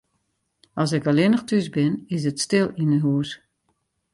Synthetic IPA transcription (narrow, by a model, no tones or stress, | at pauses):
ɑlˠs̬ɪkɔlɪnəxtʰysbɪnɪs̬ətstɪlˠinəɦuəs